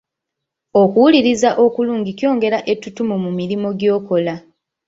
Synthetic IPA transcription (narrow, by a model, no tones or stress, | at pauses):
okuwuliɾizaʔo̞kuluːɲɟikjo̞ːŋɡe̞ɾaʔe̞tːutumumumiɾimo̞ɟjo̞ːko̞la